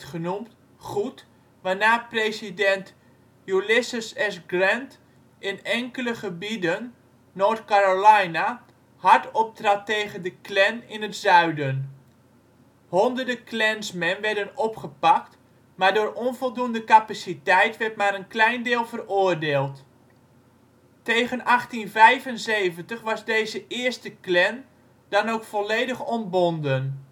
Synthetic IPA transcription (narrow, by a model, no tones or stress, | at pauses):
χənum | χut | ʋanaːprejsidɛnt | julɪsəsɛsɡrɛnt | ɪnɛŋkələχəbidənː | oːtkaɾolajna | hartɔp̚tratːeːɣəndəklɛnɪnətsœɥdən | hɔndərdəklɛnsmɛnʋɛɹdənɔpχəpak̚t | maːɹdʊːrɔnvɔlˠdundəkapasitɛjtʋɛrtmaɾənklɛjndɪːlˠvərʊːərdeːlˠt | teːɣənaχtinvɛjvənzejvəntəχʋɑzdeːzəʔɪərstəklɛn | d̥ɑnowkfɔleːdəχɔnbɔndən